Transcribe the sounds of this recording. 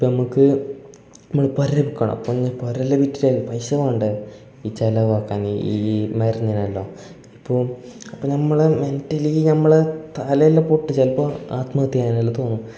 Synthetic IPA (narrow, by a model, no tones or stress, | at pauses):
ipːonɐmukːɨ | nɐmːɐɭpoɾɐlebikːɐɳɐ̰mɐ̰pːoɲːɐpoɾɐlːebitːiɾelːpɐjɕɐʋaːɳɖɨ | iːt͡ɕɐlɐʋaːkːaːniimɐriɲːɐnɐlːo̞ː | ipːoːɐpːonɐmːɐɭeme̞ntːɐlijinɐmːɐɭet̪alɐjɐlːɐpoʈːit͡ɕɐlpoa̰ːt̪mɐɣɐt̪ːiaːnɐlːɐt̪o̞ːnːu